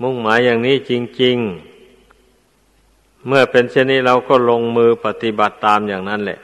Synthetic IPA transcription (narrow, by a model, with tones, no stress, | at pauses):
mo˧˥˩ŋ̚maː˨˦jːaː˨˩ŋniː˥˨t͡ɕi˧ŋt͡ɕi˧ŋ | mɯ˥˩ɐpe˧nsi˧˩˨nːiː˥˩˨ɾa˧wkɔː˥˩lo˧ŋmɯː˧pa˧t̪i˧˦ba˨˩t̪ːaː˧mjaː˨˩ŋna˥˨nlɛ̰˧˩ʔ